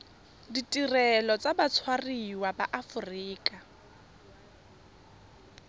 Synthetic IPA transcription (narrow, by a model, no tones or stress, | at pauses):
ditʼirɛlɔt͡sabat͡sʰwariwabaʔafʊriːkʼa